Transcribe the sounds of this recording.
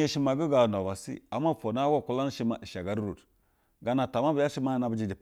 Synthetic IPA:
e˦ʃi˦ma˨ɡu˦ɡa˨no˨ba˨sḭ˦a˨mːa˦fo˨na˦wa˦˨ku˦la˦n˦ʃi˦ma˨ʔi˨ʃa˨ɡa˨˦ɾɾo˨t | ɡa˨na˨ta˨ma˦bi˨ja˦ʃi˦ma˦na˨bə˨˦d͡ʒi˨di˨p

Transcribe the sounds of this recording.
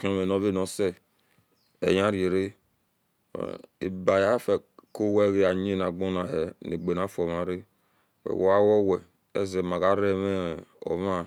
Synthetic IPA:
ko˨me˨no˨˦ve˦˨no˨sɛ˦ | ḛ˨ja˦ɾe˨ɾe˦˨ | ḛ˨ba˨ja˦fɛ˨ko˦wɛ˦ɣe˦a˨ɲe˦na˨ɡ͡bo˦na˨hɛ˨ne˨ɡ͡be˨n˨a˨˦fo˨ma˨ɾe˦ | wḛ˨wo˨a˦wɔ˦wɛ˨ | ɛ˦ze˨ma˨ɡa˦ɾɛ˦mɛ˦˨o̰˨ma˦

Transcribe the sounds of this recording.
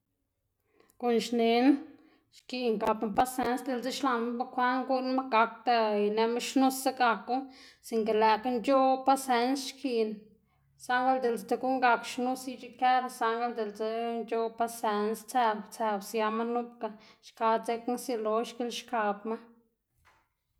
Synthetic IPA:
ko˨nʃne˧˦n | ʃki˧ŋɡa˨bma˧pa˧˦se˦nsd̪e˨lt͡se˦ʃla˨na˦ba˦kʷa˦ŋɡu˦ʔnma˦ɡa˧kt̪a˧jne˧ma˦ʃnu˦sa˦ɡa˧ku˦si˨ŋke˨læ˨ka˦nd͡ʒo˦pa˦se˧nsʃkʰi˧n | sa˦ŋɡa˦ld̪e˨lst̪a˧ɡu˦ŋɡa˧kʃnu˦si˦t͡ʃi˦ke˦ɾa˧sa˧ŋɡa˦ld̪e˨lt͡se˧˦nd͡ʒo˦pa˧se˧nst͡sɛ˧bt͡se˧bsja˧ma˦nu˦pka˧ʃka˧t͡se˧ksi˧lo˧˦ʃki˦lʃka˧bma˦

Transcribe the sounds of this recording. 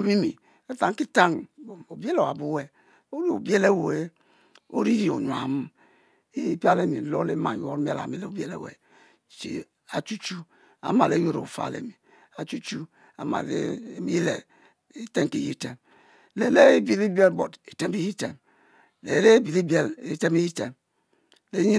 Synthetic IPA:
o˨mi˦mi˨ | e˦ta˦ŋ˦ki˦ta˦ŋ˨o˨bi˦e˦lo˨a˨bu˦we˨ | o˦ɾi˦o̰˨be˦le˦˨wo˨e˦ | o̰˦ɾi˦ɾi˦o˨ɲ˨a̰˨m˦ | pi˦a˦le˦mi˨lo˦le˦ma˨jo˦ɾm˦a˦la̰˨mi˦le˨o˨be˦lḛ˨wḛ˨ | t͡ʃḭ˨ | a˨t͡ʃu˦t͡ʃu˦ | a̰˨ma˨le˨˦jo˦ɾo̰˨fa̰˨lḛ˨mi˨ | a˨t͡ʃu˦t͡ʃu˦ | a̰˨ma̰˨lḛ˦mi˦i˦lḛ˨ | e˦te˦ŋke˨ji˦te˨m | le˨le˦e˦bi˨li˦be˦lbo˨te˨te˦mi˦ji˦te˨m | le˨le˦bi˨li˦be˦le˦te˦mi˦ji˦te˨m | le˦ɲi˦

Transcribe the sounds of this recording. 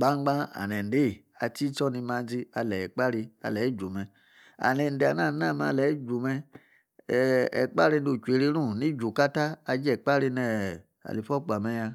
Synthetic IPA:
ɡ͡ba˦ŋ͡mɡ͡bã˦a̰˨nɛ˨n˨de˦˨a̰˨˧ti˦t͡ʃɔ˦ni˧ma˧d͡zi˧a˧lɛ˨ɛ˨k͡pa˦ɾi˧a̰˨lɛ˨˦˨d͡ʒu˨mɛ˨ | a̰˨nɛ˨n˨de˨a˨na˦˨na˦˨m˦a̰˧˨lɛ˨˦d͡ʒu˨mɛ˧˨ | ɛ̰˨k͡pa˦ɾi˧ndo˨t͡ʃʷe˨ɾi˧˦ɾũ˦˨ni˦d͡ʒu˨ka˦ta˦a˧d͡ʒɛ˨k͡pa˦ɾi˧nɛ˨ | a̰˨li˨fɔ˦k͡pa˨mɛ˧ja˧

